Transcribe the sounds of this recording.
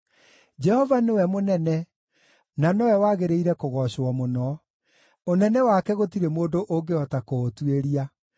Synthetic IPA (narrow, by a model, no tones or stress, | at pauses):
d͡ʒɛhɔvanewɛmonɛnɛ | nanɔwɛwaɣeɾeiɾɛkoɣɔɕwɔmonɔ | onɛnɛwakɛɣotiɾemoːndoʔoŋɡeɔtakotweɾia